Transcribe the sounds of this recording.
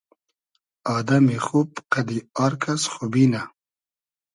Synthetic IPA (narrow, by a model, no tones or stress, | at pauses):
ɑːd̪amixupqad̪iɑɾkʰasxubina